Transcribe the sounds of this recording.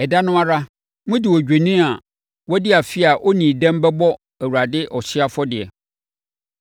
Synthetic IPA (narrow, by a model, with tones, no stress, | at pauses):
ɛ˨da˦nʊ̃˦a˦ɾa˦ | mʊ̃˦dɪ˨wɔ˨d͡ʑᶣe˨nĩ˦a˨ | wɔ˦dɪ˦a˨fɪ˦a˨ʔɔ˦nĩ˨dɛ̃˦m˦bɛ˦bɔ˦ | æ˨wu˨ɾa˨dɪ˦ʔɔ˨ɕɪ˦a˦fɔ˦dɪ˨ɛ̰˨